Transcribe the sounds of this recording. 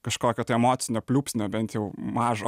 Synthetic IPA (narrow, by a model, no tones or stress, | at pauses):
kɐʃkoːkʲoːt̪ɐɪɛmoːt̪sʲɪnʲoːpʲlʲuːpʲsʲnʲoːbʲɛnt̪jɛʊmɑːʒo